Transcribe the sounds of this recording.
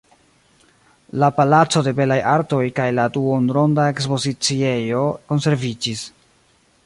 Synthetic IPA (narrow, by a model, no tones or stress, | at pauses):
lapalat͡so̞de̞be̞lajaɾto̞jkajladuonɾo̞ndae̞kspo̞zit͡sie̞jo̞ko̞nse̞ɾvid͡ʒis